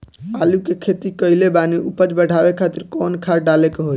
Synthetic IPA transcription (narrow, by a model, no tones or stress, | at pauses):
aːlukekʰeːt̪ikəɪlebaːniʔupəd͡ʒbəɽʱaːʋekʰaːt̪ɪɾkɔːnkʰaːɾɖaːlekeɦoi